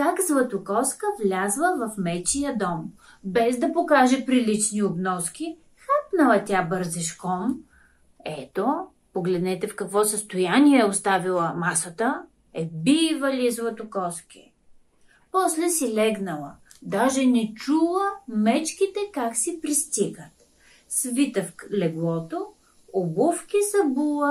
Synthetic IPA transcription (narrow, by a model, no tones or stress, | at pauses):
kakzlˠɐt̪ʊkɔskəvlʲazvəvɐfmɛt͡ʃijəd̪ɔm | bɛzd̪ɐpokaʒɛpɾilit͡ʃniobnɔskʲi | xapnəlˠɐt̪ʲabəɾzɛʃkɔn | ɛt̪o | poɡlɛd̪nɛt̪ɛfkɐkvɔsəst̪ojanʲiɛːost̪avilˠəmasət̪ə | ɛbivəlʲizvˠət̪okɔskḭ | pɔslɛsilɛɡnəlˠə | d̪aʒɛnɛt͡ʃulˠəmɛt͡ʃkit̪ɛkaksipɾist̪iɡət̪ | svit̪əflɛɡlˠɔt̪o | obufkʲisɐbulˠə